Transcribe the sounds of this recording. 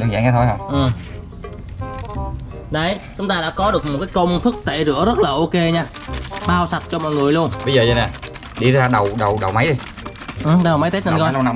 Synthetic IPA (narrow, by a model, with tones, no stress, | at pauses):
ɨ˧ŋza̰˧˥˨ŋaː˧˦t̪ʰo˧jɦə˧wŋ͡mʔɨ˨˩m | ɗə˨˩jt͡ɕʊ˨˦ŋ͡mt̪aː˧ɗa̰ː˧˥kɔ˨˦ɗɨ˨˩ək̚mo˨˩t̚kaː˨˦jkə˧wŋ͡mt̪ʰɨ˦˥k̚t̪ḛ˧˨˩zɨ̰˧˥əzə˦˥t̚laː˨˩ʔo˧ke˧ɲaː˧ | ɓaː˧wsa˨˩t̚t͡ɕɔ˧mɔ̰ː˧˨jŋɨ˨˩əjlu˧ənɓə˧jzəː˨˩zə˧˩na˨˩ | ɗi˧zaː˧ɗə˨˩wɗə˨˩wɗə˨˩wma˨˦jɗi˧j | ʔɨ˨˩ɗwma˨˦jt̪eː˦˥nə˧nkɔ˧˨˧